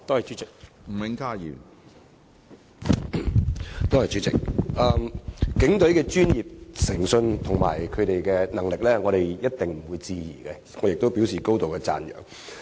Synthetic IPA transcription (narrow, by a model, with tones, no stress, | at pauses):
t̪oː˥hɐ˨˩t͡ʃy˨˥t͡sɪ˨k̚ | m̩˨˩mɪ˨˧˥ŋkʰaː˥jy̰ː˨˩n | t̪oː˥hɐ˨jt͡ʃyː˨˥t͡sɪ̰˨k̚ʔɐː˨mkɪ˨˥ŋt̪ɵ˨˥ɥkɛː˧t͡ʃyː˥njiː˨p̚sɪ˨˩ŋsɵ˧nt̪ʰʊ˨˩ŋma̰ː˨˩jkʰɵ˨˧t̪e˨jkɛː˧nɐ˨˩ŋlɪ˨k̚lɛː˥ŋɔː˨˧ɾe˨jjɐ˥t̚t̪ɪ˨ŋm̩˨˩wuː˨˧jt͡siː˧jḭː˨˩kɛ˧ | ŋɔː˨˧jɪ˨k̚t̪o˥wpiː˨˥wsiː˨˩ko˥wt̪o˨wkɛː˧t͡sa̰ː˧njœ̰ː˨˩ŋ